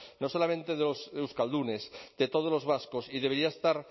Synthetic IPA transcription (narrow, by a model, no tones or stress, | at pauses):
no̞so̞lamẽnt̪e̞ðelosewskald̪une̞sd̪̥e̞t̪oð̞olo̞zβaskosiðe̞βeɾiaest̪aɾ